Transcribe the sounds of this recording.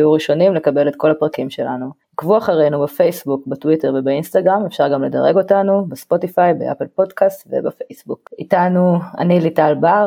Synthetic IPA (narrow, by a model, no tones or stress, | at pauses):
juʁiʃo̞nimle̞kabe̞le̞tko̞lhapʁakimʃe̞la̰nu | kvuaχaʁe̞nubefejsbukbatwiteʁve̞bainstaɡʁamefʃaʁɡamle̞daʁe̞ɡo̞tanubespo̞tifajbeʔa̰pelpo̞dkastvḛbafejsbukitanua̰nilitalba